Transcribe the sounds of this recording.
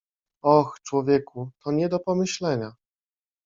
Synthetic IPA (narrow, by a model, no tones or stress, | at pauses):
ɔxt͡ʂwɔvʲjɛkʰut̪ʰɔɲɛd̪ɔpɔmɘɕlɛɲa